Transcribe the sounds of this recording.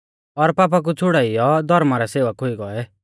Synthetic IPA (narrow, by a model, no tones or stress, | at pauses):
ɔɾpaːp̬ak̬ut͡sʰʊɽaːijɔd̪ʱɔɾmaɾɛseːʋakɦʊiɡɔɛ